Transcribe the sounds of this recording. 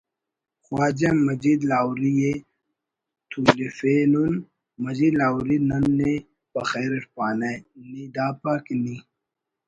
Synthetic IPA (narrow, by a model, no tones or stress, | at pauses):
xwaːd͡ʑemɐzid̪laːwɾije | t̪ʰuːlifeːnun | mɐzid̪laːwɾinɐnːe | bɐ̰xeːɾeʈpaːnanid̪aːpakni